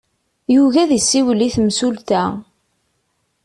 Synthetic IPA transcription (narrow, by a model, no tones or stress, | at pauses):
juvæðisːiwəlːiθmsult̪æ